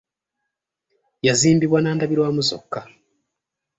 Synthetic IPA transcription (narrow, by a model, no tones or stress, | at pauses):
jaziːmbiβwanaːndaβiɾwaːmuzo̰kːa